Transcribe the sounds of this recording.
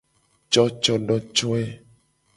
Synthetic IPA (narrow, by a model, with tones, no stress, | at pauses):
t͡ʃɔ˦t͡ʃɔ˦ɖɔ˦t͡ʃɔ˦ɛ˦